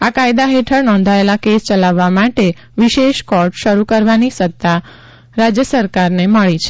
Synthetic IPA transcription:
akajd̪aɦeʈʰəɾnɔ̃nd̪ʱaelakest͡ʃəlaʋːamaʈe | ʋiʃeʃkɔʈʃəɾukəɾʋanisət̪ːa | ɾad͡ʒjəsəɾkaɾneməɭit͡ʃʰe

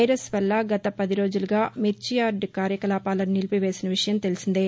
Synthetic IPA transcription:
jɾesʋɐlːɐɡɐt̪ɐpɐd̪iɾo̞ːd͡ʒuluɡaːmiɾt͡ʃijaːɾɖkaːɾjɐkɐlaːpaːlɐnːilipiʋe̞ːsinɐʋiʂɐjɐmt̪e̞lisind̪i

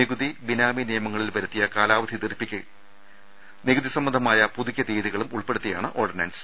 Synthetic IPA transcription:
niɣuðibinaːminijɐmɐŋːɐɭilpɐɾɐt̪ːijɐkaːlaːʋɐd̪ʱit̪irpːikʲːu | niɣuðisɐmːɐnd̪ʱɐmaːjɐpuðuɣʲjɐd̪iːðiɣɐɭumuɭpeɽut̪ːija̰ːɳɨʔoːrɖɐnɐns

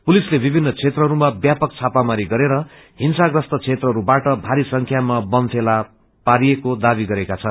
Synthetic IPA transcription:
pulislebibʱinːʌt͡sʰet̪rʌɦʌɾumabjapʌk̚t͡sʰapamaɾiɡʌɾeɾʌ | ɦinsaɡrʌst̪ʌt͡sʰet̪rʌɦʌɾubaʈʌbʱaɾisʌŋkʰjamabʌnt̪ʰela | paɾijekod̪abiɡʌɾekat͡sʰʌn

